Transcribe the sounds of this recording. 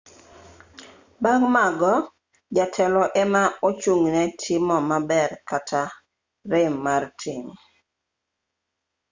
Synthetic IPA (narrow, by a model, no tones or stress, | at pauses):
baŋmaɡɔ | d͡ʒatʰɛlɔʔɛmaot͡ʃuŋnɛtʰɪmɔmabɛrkatʰa | ɾɪmːartʰɪŋ